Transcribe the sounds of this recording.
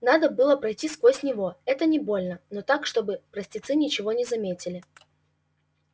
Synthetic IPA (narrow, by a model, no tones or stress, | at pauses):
nad̪əbɨlˠəpɾɐjtʲiskvosʲnʲɪvo̞ɛt̪ənʲɪbo̞lʲnənot̪akʂt̪o̞bɨpɾəsʲtʲɪt̪sɨnʲɪt͡ɕɪvo̞nʲɪzɐmʲetʲɪlʲɪ